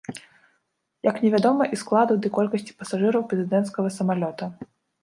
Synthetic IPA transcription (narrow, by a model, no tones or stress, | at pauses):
jɐknʲɛvʲad̪ɔmɐʔisklˠad̪ud̪ɨkɔlʲkɐsʲt͡sʲi̥pɐsaʐɨɾɐwpɾɛzɨd̪ɛnt̪skɐɣɐsɐmalʲɔt̪ɐ